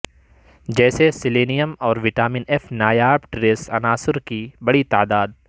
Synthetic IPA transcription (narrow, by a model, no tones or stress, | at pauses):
d͡ʒɛːsesɪleːnijəmɔːɾʋɪʈaːmĩːnɛːfnaːjaːbʈɾeːsɐ̰naːsɪɾkibɐɽit̪aːd̪aːd̪